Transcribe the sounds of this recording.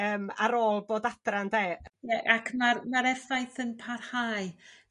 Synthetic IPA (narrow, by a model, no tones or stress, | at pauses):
əːmaɾoːlˠboːdad̥randeːjɛʔakʰmarmaɾɛrθajθənpʰarhaːj